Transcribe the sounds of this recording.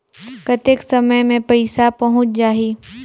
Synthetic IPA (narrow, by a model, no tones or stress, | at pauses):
kət̪eksɐməjmẽpɐɪsapɐɦʊ̃t͡ʃd͡ʒaːɦiː